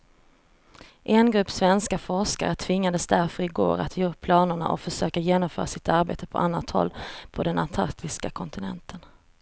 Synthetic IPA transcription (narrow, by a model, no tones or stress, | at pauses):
ʔɛnɡɾɵpːsvɛnskafɔʂka̰ɾət̪ʰvɪŋːad̪əsd̪æɾfœɾɪɡo̰ːɾa̰t̪ʰjɛɵp̚pʰlɑːnʊɳa̰ʔɔ̰fœʂøːkajeːnɔmfœːɾasɪt̪aɾbḛːt̪əpʰɔ̰ʔanːat̪hɔ̰lːpʰɔd̪ɛna̰nt̪ʰa̰ɾkt̪ɪskakʰɔnt̪ɪnɛ̰nt̪ʰən